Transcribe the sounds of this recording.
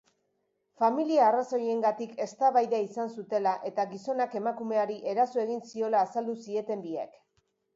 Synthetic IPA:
familiaːraso̞je̞ŋɡat̪ike̞st̪aβajðaisansut̪e̞laʔe̞t̪aɣiso̞nake̞makume̞aɾiʔe̞ɾasoe̞ɣinsio̞laːsald̪usie̞t̪e̞mbiḛk

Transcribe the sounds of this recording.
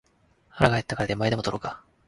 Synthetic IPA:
haɾaɡaet̪ːakaɾad̪emaid̪emt̪oɾoka

